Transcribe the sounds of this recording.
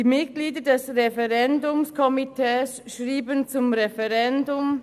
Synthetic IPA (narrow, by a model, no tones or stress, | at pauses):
iːmɪtɡ̥liːdədɛsʁɛfɛʁɛndʊmskʰɔmitʰɛːs | ʃʁiːbənt͡sʊmʁɛfɛʁɛndʊm